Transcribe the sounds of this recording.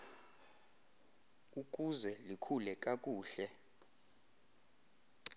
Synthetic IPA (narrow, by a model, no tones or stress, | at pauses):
uk̬ʼuzɛlikʰulɛkʼakʼuːɬɛ